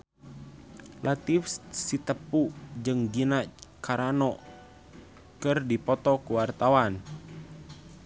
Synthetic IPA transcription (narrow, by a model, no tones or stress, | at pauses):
lʔat̪ifssit̪əpud͡ʒɨŋɡinakaɾanɔ | kɨrdipɔt̪ɔkuwart̪awan